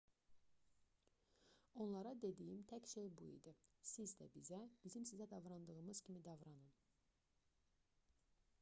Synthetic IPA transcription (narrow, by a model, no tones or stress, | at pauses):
o̞nlˠɑɾɑd̪e̞d̪ijimt̪ʰæcʃelbuḭd̪isizd̪æ̰bizæb̥izimsizæd̪ɑvɾɑnd̪ɯɣɯmɯz̥cʰimid̪ɑvɾɑnɯn